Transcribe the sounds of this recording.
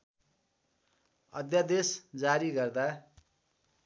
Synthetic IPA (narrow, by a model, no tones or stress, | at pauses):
ʌ̰d̪jad̪esd͡zaɾiɡʌrd̪a